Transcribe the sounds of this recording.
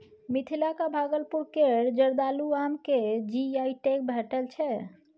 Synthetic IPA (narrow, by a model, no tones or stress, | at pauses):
mit̪ʰilakabʱaɡəlpuɾkeɾd͡ʒəɾd̪aluamked͡ʒiaiʈek̚bʱeʈəlt͡ʃʰɛ